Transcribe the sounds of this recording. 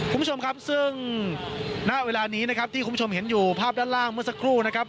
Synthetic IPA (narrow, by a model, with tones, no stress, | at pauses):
kʰːu˥t͡ɕʰo˧mkʰa˦˥p̚sɯ˥˩ŋ | na˦˥ʔweː˧laː˧ni˦˥na˦˥kʰa˦˥p̚t̪ʰi˥˩ku˧˦˥o˧mɦe˩˦njuː˨˩pʰaː˥˩p̚daː˥˩nlaː˥˩ŋmɯ˥˩ɐsa˦˥kʰɾuː˥˩na˥kʰɾa˦˥p̚